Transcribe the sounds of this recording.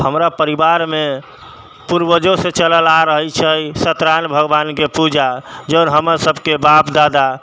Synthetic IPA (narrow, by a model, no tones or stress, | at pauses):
həmɾapəɾibaɾme | puɾbəd͡ʒõsẽt͡ʃələlaɾəɦət͡ʃʰəjsət̪ɾanbʱəɡbankepud͡ʒad͡ʒənɦəməɾsəbʱkebapd̪ad̪a